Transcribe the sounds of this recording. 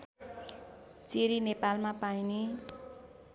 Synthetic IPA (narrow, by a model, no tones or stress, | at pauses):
t͡siɾinepalmapaine